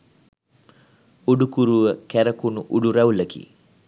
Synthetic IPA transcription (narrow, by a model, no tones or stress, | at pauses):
uɖukuɾuəkæɾəkunuʔuɖuɾɛwləkḭ